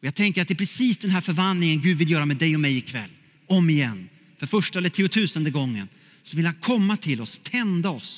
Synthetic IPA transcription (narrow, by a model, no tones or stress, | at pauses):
ɔjaːɡt̪ʰɛŋkəɾat̪̚d̪ɛːpʰɾɛsiːsd̪ɛnɦæːɾfœɾvanlɪŋənɡʉ̟ːd̪vɪljœːɾamɛd̪ɛjɔmɛjɪkʰvɛ̰lː | ɔmːɪjɛnː | fœɾfœʂʈaɛlːəʈʰiːʊt̪ʰʉ̟ːsənd̪əɡɔŋːə̰n | sɔvɪlhankʰɔmːat̪ʰɪlɔst̪ʰɛnd̪aɔs